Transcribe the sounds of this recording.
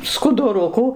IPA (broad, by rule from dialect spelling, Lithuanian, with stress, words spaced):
skʊdʊˈrʊkuː